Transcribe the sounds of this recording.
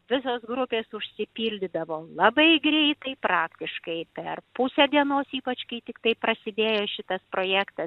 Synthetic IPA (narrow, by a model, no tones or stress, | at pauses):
ʋʲɪsoːsɡɾʊpʲeːsʊʃʲsʲɪpʲiːlʲd̪ʲɪd̪ɐʋoːlˠɐbɐɪɡɾʲɛɪt̪ɐɪpɾɑːkt̪ʲɪʃkɐɪpʲɛrpʊsʲɛd̪ʲiɛnoːsiːpɐt͡ʃkɐɪt̪ʲɪkt̪ɐɪpɾɐsʲɪd̪ʲeːjoːʃʲɪt̪ɐspɾoːjæːkt̪ɐ